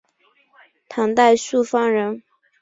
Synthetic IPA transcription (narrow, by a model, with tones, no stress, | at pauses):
t̪ʰɑ˧˥ŋt̪a˥˧ɪsu˥˩fɑ˥ŋɻə˧˥n